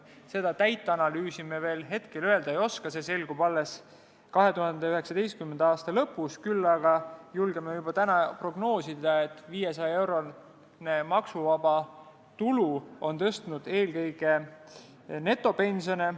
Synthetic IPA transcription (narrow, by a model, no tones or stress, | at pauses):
se̞d̪̥ɑt̪æjt̪ːˑeɑnɑlyːsimeve̞ːlɦe̞t̪ke̞løe̞ld̪̥ɑejo̞skɑse̞se̞lɡ̥ub̥ɑlːes | kɑɦe̞t̪uhɑnd̪eyɦe̞ksɑd̪e̞jst̪kymːend̪eɑːst̪ɑlɤpːˑuskylːɑɡ̥ɑjulɡ̥emejubɑt̪ænɑpro̞ɡno̞ːsid̪ɑet̪ːˑviːje̞sɑjɑe̞wɾo̞ | ne̞mɑksuvɑb̥ɑ | t̪uluo̞nt̪ɤst̪unud̪̥e̞ːlkɤjɡ̥e̞ | ne̞t̪ːˑo̞pe̞nʲsione̞